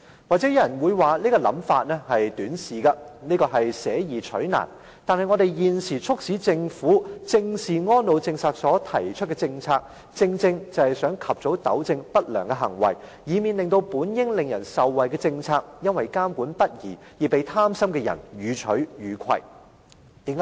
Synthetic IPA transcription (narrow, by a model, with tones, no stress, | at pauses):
waː˨k̚t͡sɛ˨˥jɐ˥jɐ˨˩nwuː˨˧jwaː˨niː˥kɔː˧lɐ̰˨˥mfaː˧t̚nɛː˥hɐ˨jt̪yː˨˥nsiː˨ɡɐ˧niː˥kɔː˧ɦɐ˨jsɛː˨˥jiː˨˩t͡ʃʰɵ̰˨˥ɥna̰ː˨˩n | t̪aː˨nhɐ˨jŋɔː˨˧ɾe˨jjiː˨nsiː˨˩t͡sʰʊ˥k̚siː˨˥t͡sɪ˧ŋfuː˨˥t͡sɪ˧ŋsiː˨ŋɔː˥nlo˨˧wt͡sɪ˧ŋsaː˨t̚sɔː˨˥t̪ʰɐ˨˩jt͡ʃʰɵ˥t̚kɛ˧t͡sɪ˧ŋt͡sʰaː˧k̚ | t͡sɪ˧ŋt͡sɪ˧ŋt͡sɐ˨˧whɐ˨jsœː˨˥ŋkʰɐ˨p̚t͡so˨˥wt̪ɐ̰˨˥wt͡sɪ˧ŋpɐ˥t̚lœː˨˩ŋkɛ˧ɦɐ˨˩ŋwɐ̰˨˩j | jiː˨˧miː˨nlɪ˨ŋt̪o˧wpuː˨˥njɪ˥ŋlɪ˨ŋjɐ˨˩nsɐ˨wːɐ˨jkɛ˧t͡sɪ˧ŋt͡sʰaː˧k̚jɐ˥nwɐ˨jkaː˥mkuː˨˥npɐ˥t̚jiː˨˩jiː˨˩pe˨jt̪ʰaː˥msɐ˥mkɛ˧jɐ̰˨˩njyː˨˧t͡ʃʰɵ˨˥ɥjyː˨˧kʷʰɐ̰˨j | t̪iː˨˧˥